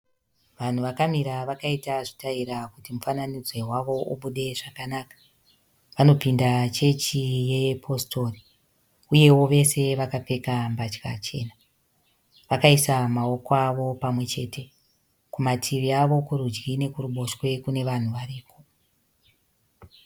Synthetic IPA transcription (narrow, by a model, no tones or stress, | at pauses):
ʋan̤uʋakamiɾaʋakaitaʐitaiɾakutimufananid͡zwe̞ɦwaʋo̞uɓuɗe̞ʐakanaːkḁ | ʋano̞pindat͡ʃe̞t͡ʃije̞pʰo̞stʰo̞ri | uje̞wo̞ʋe̞se̞ʋakape̞kambat͡ʃka̰t͡ʃe̞ːna | ʋakaisamao̞koaʋo̞pamwe̞t͡ʃe̞ːtʰe̞ | kumatʰiʋiaʋo̞kuɾud͡ʒɡine̞kuruɓo̞ʃwe̞kune̞ʋan̤uʋaɾiːpʰo̞